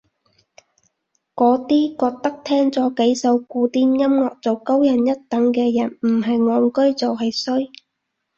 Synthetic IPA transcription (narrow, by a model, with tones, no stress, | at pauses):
kɔː˨˥t̪iː˥kɔː˧k̚t̪ɐ˥k̚t̪ʰɛː˥ŋt͡sɔː˨˥ke˨˥jsɐ˧wkuː˧t̪iː˥njɐ˥mŋɔː˨k̚t͡so˨wko˥wjɐ˨˩njɐ˥t̚t̪ɐ˨˥ŋkɛː˧jɐ˨˩nm̩˨˩ɦɐ˨jŋɔː˧ŋkɵ˥ɥt͡sɐ˨wɦɐ˨jsɵ˥ɥ